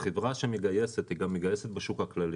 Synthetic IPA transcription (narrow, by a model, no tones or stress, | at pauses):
χevʁaʃemeɡaje̞set̪hiɡamːeɡajeset̪beʃukhaklali